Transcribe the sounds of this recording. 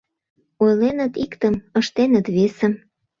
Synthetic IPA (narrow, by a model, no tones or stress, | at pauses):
ojlenə̆t̪ikt̪əməʃt̪enət̪βesə̆m